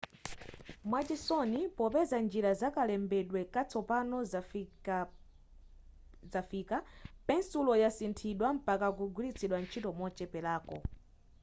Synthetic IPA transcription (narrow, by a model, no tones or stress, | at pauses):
mwat͡ʃɛsɔnipɔpɛzand͡ʒiɾazakalɛmbɛɗwɛkat͡sʰɔpanɔ | zafiːkapɛnsulɔjasintʰiɗwam̩pakak̬uɡulit͡sʰiɗwant͡ʃʰitɔmɔt͡ʃɛpɛlaːkɔ